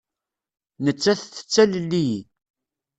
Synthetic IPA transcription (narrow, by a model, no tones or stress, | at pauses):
nət͡sːæθθə̥t͡sːællːi